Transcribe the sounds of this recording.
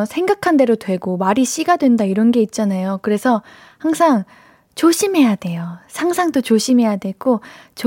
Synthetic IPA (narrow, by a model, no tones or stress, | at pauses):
sʰe̞ŋɡakʰande̞ɾotwe̞ɡomaɾiɕ͈iɡadwe̞ndaiɾʌnɡe̞it̚t͡ɕ͈anajokɯɾe̞sʰʌ | haŋsʰaŋ | t͡ɕoɕʰimɦe̞jade̞josʰaŋsʰaŋdot͡ɕoɕʰimɦe̞jadwe̞ɡ͈ot͡ɕ